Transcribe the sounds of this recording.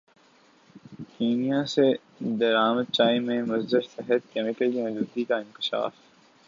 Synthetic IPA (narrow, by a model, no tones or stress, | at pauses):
kiːnijase | d̪ɐɾaːməd̪̚t͡ʃaːimẽmɐzd̪ɪɾsɛɦət̪̚kɛmɪkəlkiɐ̃ːd͡ʒuːd̪ikaɪ̃nkɪ̥ʃa̰ːf